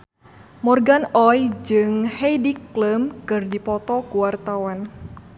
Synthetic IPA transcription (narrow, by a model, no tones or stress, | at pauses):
mɔrɡanɔjd͡ʒɨŋhejdikːləmkɨrdipɔt̪ɔkuwart̪awan